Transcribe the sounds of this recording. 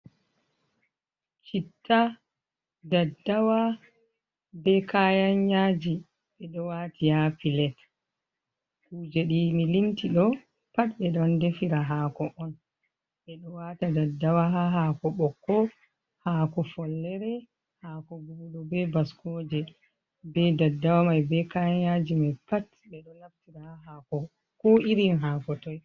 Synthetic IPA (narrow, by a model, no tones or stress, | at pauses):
t͡ʃitːa | dadːawa | bɛkʰajaɲːaːd͡ʒi | ɓɛɗɔwaːtʰijapilɛt | kuːd͡ʒɛɗimilintiɗɔ | patɓɛɗɔndefiɾaɦaːkɔʔɔn | ɓɛɗɔwatadadːawaɦaɦaːkɔɓɔkːɔ | haːkɔfɔlːɛɾɛ | haːkɔɡuɗɔbɛbaskʰɔːd͡ʒɛ | bɛdadːawamajbɛkaad͡ʒimajpat | bɛɗɔnaftiɾaaɦakɔ | kɔiɾinɦaːkɔtɔj